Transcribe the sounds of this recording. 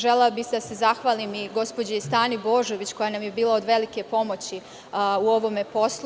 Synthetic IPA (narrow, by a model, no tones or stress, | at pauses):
ʒelebised̪ase̞zaxʋaːlimiɡo̞spod͡ʑeist̪aːnibo̞ːʒo̞ʋit͡ɕko̞janamjebiːlˠaod̪ʋe̞like̞po̞mo̞t͡ɕi | uo̞ʋo̞mepo̞sl